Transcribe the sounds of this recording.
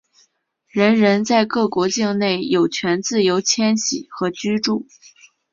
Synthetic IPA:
ɻə˧˥nɻə˧˥nt͡sa˥˧ɪkɤ˥˩kwɔ˧˥t͡ɕi˥˧ŋne˥˩ɪjo˨˩ʊt͡ɕʰɥɛ˧˥nt͡sɹ̩˥˩jo˧˥ʊt͡ɕʰjɛ˥nɕḭ˨˩xɤ˧˥t͡ɕy˥ʈ͡ʂu˥˩

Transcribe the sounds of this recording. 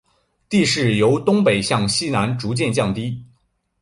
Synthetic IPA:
t̪i˥˧ʂɻ̩˥˩jo˧˥ʊt̪ʊ˥ŋpe˨˩ɪɕjɑ˥˩ŋɕi˥na˧˥nʈ͡ʂu˧˥t͡ɕjɛ˥˧nt͡ɕjɑ˥˩ŋt̪i˥

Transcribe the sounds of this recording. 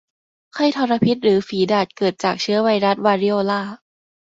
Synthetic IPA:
kʰa˥˩jt̪ʰɔː˧ɾa˧pʰi˦˥t̪̚ɾɯː˩˦fiː˨˩˦daː˨˩t̪̚kɤː˨˩t̪̚t͡ɕaː˨˩k̚t͡ɕʰɯ˦˥ɐwa˧jɾa˦˥t̪̚waː˧ɾi˦˥ʔoː˧laː˥˩

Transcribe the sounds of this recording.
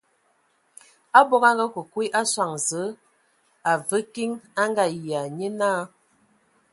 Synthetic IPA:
a˦bɔ˦ka˦ŋɡa˦ko˨kwi˦ʔa˦swa˨ŋzə˨˦ | a˨və˦ki˦ŋa˦ŋɡa˦jja˨ɲe˦naː˦

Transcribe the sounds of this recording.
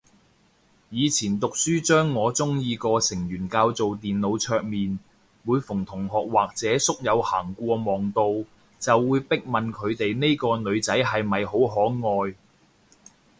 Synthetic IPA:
jiː˨˧t͡sʰiː˨˩nt̪ʊ˨k̚syː˥t͡ʃœː˥ŋːɔː˨˧t͡sʊ˥ŋjiː˧kɔː˧sɪ˨˩ŋjyː˨˩nkaː˧wt͡so˨wt̪iː˨nlo˨˧wt͡ʃʰœː˧k̚miː˨n | muː˨˧jfʊ˨˩ŋt̪ʰʊ˨˩ŋɦɔː˨k̚waː˨k̚t͡sɛː˨˥sʊ˥k̚jɐ˨˧whaː˨˩ŋkʷɔː˧mɔː˨ŋt̪o˧w | t͡sɐ˨wːuː˨˧jpɪ˥k̚mɐ˨nkʰɵ˨˧ɥt̪e˨jne˥jkɔː˧nɵ˨˧ɥt͡sɐ˨˥jɦɐ˨jmɐ˨jho˨˥wɦɔː˨˥ŋɔː˧j

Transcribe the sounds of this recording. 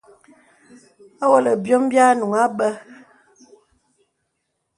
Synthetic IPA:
a˦wɔ˦lə˨bjɔ˦m˦bja˦nu˨ŋa˦ɓə˦

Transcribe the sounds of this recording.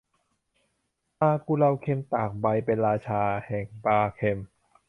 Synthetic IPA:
paː˧kuː˧la˧wkʰe˧mt̪aː˨˩k̚ba˧jpe˧nɾaː˧t͡ɕʰaː˧hɛː˨˩ŋpaː˧kʰe˧m

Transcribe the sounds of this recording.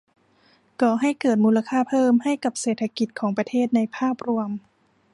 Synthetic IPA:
kɔː˨˩ɦa˥˩jkɤː˨˩t̪̚muː˧la˧kʰaː˥˩pʰɤː˥˩mha˥˩jka˨˩p̚seː˨˩t̪ʰa˧ki˨˩t̪̚kʰɔː˩˦ŋpɾa˧t̪ʰeː˥˩t̪̚na˧jpʰaː˥˩p̚ɾu˧əm

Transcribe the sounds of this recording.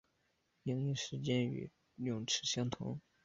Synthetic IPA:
i˧˥ŋi˥˩ʂɻ̩˧˥t͡ɕjɛ˥ny̰˨˩ | ljʊ˨˩ŋʈ͡ʂʰɻ̩˧˥ɕjɑ˥ŋt̪ʰʊ̰˧˥ŋ

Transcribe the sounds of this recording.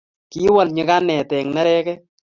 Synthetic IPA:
ki˦wɔ˨lɲɪ˦ka˦nɛ˨tɛ˨ŋnɛ˦ɾɛ˦kɛ˦

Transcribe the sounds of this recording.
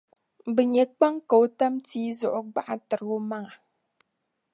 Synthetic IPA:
bɨ˨ɲɛ˨k͡pa˦ŋka˨o˨ta˦mtiː˦zɔ˨ʔʊ˦ɡ͡ba˦ʔa˦tɨ˨ɾɣo˦ma˦ŋa˨

